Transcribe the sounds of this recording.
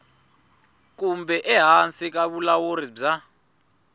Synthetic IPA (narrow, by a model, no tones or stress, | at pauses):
k̬umbʱɛʔɛɦant͡sik̬aɓulaworib͡ʐa